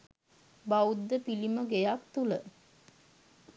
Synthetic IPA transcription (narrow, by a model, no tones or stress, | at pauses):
baud̪ːəpiliməɡejakt̪ulə